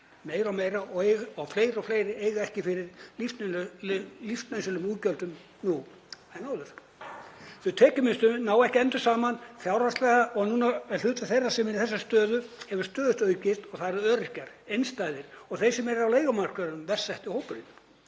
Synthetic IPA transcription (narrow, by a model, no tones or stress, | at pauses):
meːjɾawmeːjɾaɔejɣawfleːjɾɔfleːjɾɪeːjɣaɛhcɪfɪɾɪɾlift̪ | lift̪nansʏlʏmuːcœlt̪ʏm | nu | ɛnaːwðʏɾ̥ | θʏt̪ʰɛːcʏmɪnst̪ʏmnaːwɛhcɪɛnt̪ʏ̥saːmanfjawɾast̪lɛːɣaɔɣnunaɛ̥ʏːt̪ḁθejrːasɛmɪniθɛsːast̪œːðʏɛvʏ̥ɾst̪œːðʏst̪œːɥcɪ̥t̪ɔɣθaðɛɾœːɾɪcaɾ̥ejnst̪aːjðɪɾ̥ɔɣθejsɛmɛɾɪɾawlejɣamar̥kʏɾʏnʏmvɛr̥sɛht̪ɪhowpʏɾɪn